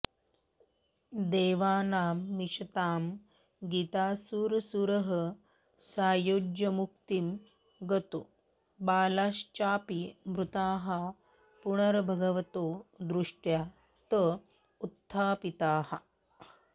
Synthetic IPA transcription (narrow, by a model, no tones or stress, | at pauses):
d̪eːʋaːnaːmːiʂɐt̪aːm | ɡit̪aːsuːɾsuɾɦɐ | saːjoːd͡ʒjɐmuk̚t̪im | ɡɐt̪o | baːlaːʃt͡ʃaːpimɾut̪aːɦɐ | puɳɐɾbʱɐɡɐʋɐt̪oːd̪ɾuʂʈjaː | t̪ə | ut̪ʰːaːpit̪aːhɐ